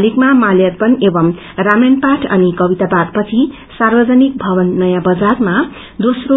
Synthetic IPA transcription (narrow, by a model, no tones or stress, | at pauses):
likmamaljʌt̪̚pʌnebʌm | ramenpaʈʰʌ̰nikʌbit̪apad̪̚pʌt͡sʰi | sarbʌd͡zʌnik̚bʱʌβʌnːʌjãbʌd͡zarma | d̪osro